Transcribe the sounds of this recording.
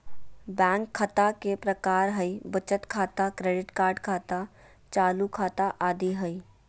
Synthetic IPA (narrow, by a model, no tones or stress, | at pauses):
bɛ̃ːŋkʰːɐt̪akepɾɐkaːɾɦəibət͡ʃət̪kʰaːt̪akɾeːɖɪʈkaːɾɖkʰaːt̪a | t͡ʃaːlukʰaːt̪aʔaːd̪iɦəi